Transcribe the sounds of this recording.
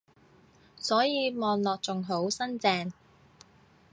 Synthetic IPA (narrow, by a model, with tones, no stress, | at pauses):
sɔː˨˥jiː˨˧mɔː˨nlɔː˨k̚t͡sʊ˨ŋɦo˨˥wsɐ˥nt͡sɛː˧ŋ